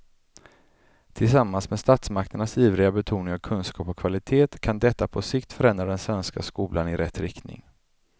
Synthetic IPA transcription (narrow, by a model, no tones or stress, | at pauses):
t̪ʰɪlsamːansmɛst̪at̪smakt̪əɳasiːvɾɪɡabɛt̪ʰuːnɪŋavkʰɵnskɑːpɔkʰv̥alɪt̪ʰeːt̪kʰand̪ɛt̪ːapʰɔsɪkt̪fœɾɛnd̪ɾad̪ɛnsvɛnskaskuːlʔanɪɾɛt̪ːɾɪkt̪nɪ̰ŋ